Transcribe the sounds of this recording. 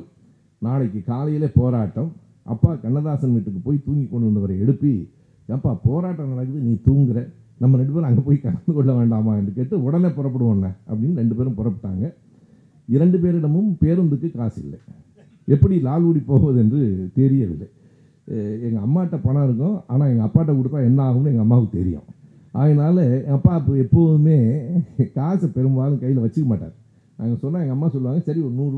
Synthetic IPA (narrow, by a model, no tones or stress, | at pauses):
naːlɐkːɯkaːlɐjɪleːpoːɾaːʈːɐm | ʔɐ̰pːaːkɐɳːɐðaːsɐnʋiʈːɯkːɯpoːjit̪uːŋɡikːɔɳːɯʋɐnd̪ɐʋɐɾɐɛɽɯpːi | ðɐnɐpːaːpoːɾaːʈːɐnɐlɐkɯðɯniːt̪uːŋɡɪɾɐ | nɐmːɐɾɛɳɖɯpeːɾ̃ɐŋɡɐpoːjikɐɽɐnd̪ɯkɔɭːɐʋeːɳɖaːmaːɛndrɯkeːʈːɯɔɽɐneːpɔɾɐp̬ːɐɽɯʋɐːnːɐɐ̰pːɐɽɪnːɯɾɛɳɖɯpeːɾɯmpɔɾɐpːɯʈːa̰ːŋɡɐ | ɪɾɛɳɖɯp̬eːɾɪɽɐmɯmpeːɾɐnd̪ɯkːɯkaːsɪ̰lːɐ̰ | ɛpːɐɽilaːluːɽipoːʋɐðɛndrɯt̪ɛɾɪjɐʋɪ̰lːɐ̰ | ɛŋɡɐɐmːaːʈːɐpɐɳaːɪɾɯk̬ːõa̰ːnãːɛŋɡɐɐpːaːʈ̬ːɐk̬ʊɽɯt̪ːãːɛnːɐaːɣɯmnɯɛŋɡɐmːaːkt̪ɛ̰ɾɪ̰jʊ̰̃ | ʔa̰ːɣɐnaːlɐɐpːaːpːoɛpːoːðɯmeːkaːsɐpɛɾɯmbaːlɯ̃kɐjːɪlʋɐt͡ʃːɯkːɐmaːʈːa̰ːɾ | nãːɛŋɡɐsɔnːaːɛŋɡɐmːaːsɔlːɯʋaːŋɡɐsɐɾiɔɾɯnuːɾ